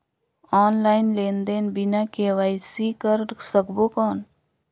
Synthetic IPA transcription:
ɔːnlaːɪnleːnd̪eːnbinakeːʋaːisikəɾsəkbokɔːn

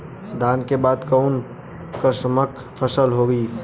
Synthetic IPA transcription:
d̪ʱaːnkebaːd̪kəʊn | kəsəməkʰpʰəsəlɦoɡi

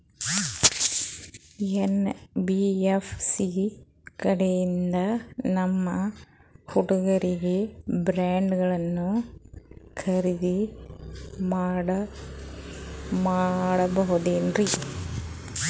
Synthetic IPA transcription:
enbiefsi | kɐɽɐjind̪ɐnɐmːɐkʊɽuɣɐɾiɣebɾaːɳɖɯɣɐɭɐnːu | kʰɐɾɪði | maːɽɐ | maːɽɐbɐɣuðeːndri

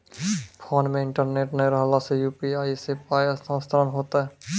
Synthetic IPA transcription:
pʰoːnmẽɪ̃ɳʈəɾneːʈneɾɦlasejuːpiaːisepaːjasə̃ːst̪ʰɾənɦoːt̪aɦɛː

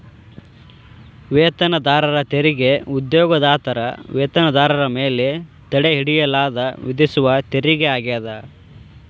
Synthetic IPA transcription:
ʋeːt̪ɐnɐd̪aːɾɐɾɐt̪eɾiɡeud̪joːɡɐd̪aːt̪ɐɾɐ̰ʋeːt̪ɐnɐd̪aːɾɐɾɐmeːle | t̪ɐɽeɦiɽijɐlaːd̪ɐʋid̪isuʋɐt̪eɾiɡeaːɡeːd̪ɐ

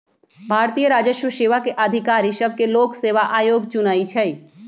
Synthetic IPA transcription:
bʱaːɾt̪iːjəɾaːd͡ʒəʃwəʃeːʋakeʔɐd̪ʱɪkaːɾiʃəb̚keloːkseːʋaʔaːjoːɡt͡ʃʊnaːit͡ʃʰɛi

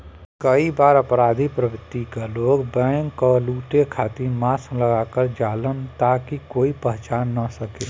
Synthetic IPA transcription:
kəibaːɾɐpɾaːd̪ʱipɾəbɪt̪ːikaloːɡbɛ̃ːŋkːɔluːʈekʰaːt̪imaːsləɡakəɾd͡ʒaːlənt̪aːkikoːipəɦt͡ʃaːnːəsəkeː

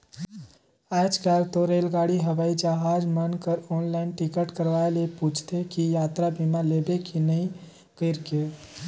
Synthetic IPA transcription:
ad͡ʒkalt̪oɾelɡaɽiɦəʋaid͡ʒaɦad͡ʒmənkəɾɔnlaɪnʈikəʈkəɾʋaeleput͡ʃʰt̪ekijat̪ɾabʱimalebekinəĩ | kəɪɾke

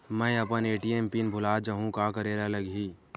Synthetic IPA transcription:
mɛ̃ɐpəneːʈieːmpinbʱʊlaːd͡ʒɐɦũkakəɾeːɾalɐɡɦiː

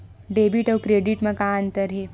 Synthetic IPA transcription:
ɖeːbiʈɔːkɾeːɖiʈmɐkaːnt̪ɐɾɦe

